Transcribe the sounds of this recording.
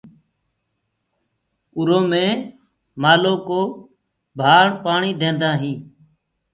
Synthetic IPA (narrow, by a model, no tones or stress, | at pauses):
ʊɾoːmẽː | maːloːkoː | bʱaːɳpaːɳiːd̪ʱẽːnd̪aːɦĩː